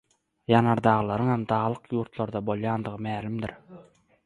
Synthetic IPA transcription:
jɑnɑɾd̪ɑːʁlˠɑɾɯŋhemd̪ɑːlˠɯqjuːɾt̪lˠɑɾd̪ɑbo̞lˠjɑːnd̪ɯʁɯmæːlʲimd̪ḭɾ

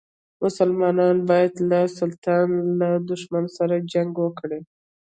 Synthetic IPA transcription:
mʊsalmɑnɑnbɑjad̪lasʊlt̪ʰɑnlad̪ʊʃmansaɾad͡ʒaŋɡwəkɽe

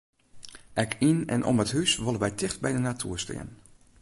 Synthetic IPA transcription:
ʔɛkʰinɛ̰nʔɔ̰mətɦysʋolənʋɛjtɪχt̚bɛjdənatʰyːəɹstɪ̰ːən

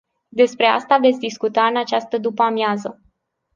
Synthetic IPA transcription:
d̪e̞spɾe̞a̰st̪ave̞t̪sʲd̪iskut̪aɨnat͡ʃast̪əd̪upamjazə

